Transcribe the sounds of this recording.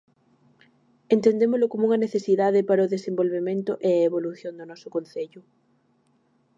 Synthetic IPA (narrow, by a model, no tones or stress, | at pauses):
ent̪end̪emozlokomuŋɐneθesiðaðepaɾɐoðesembolβemẽnt̪ʊʔeɐeβ̞oluθjond̪onɔsʊkonθeʎʊ